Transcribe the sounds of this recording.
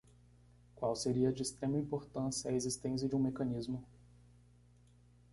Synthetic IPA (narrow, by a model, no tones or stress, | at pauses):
kwawseɾiɐd͡ʒɪːst̪ɾẽmɐĩmpoɾt̪ɐ̃sjɐezist̪ẽs̬jɐd͡ʒɪũmekɐ̃nizmʊ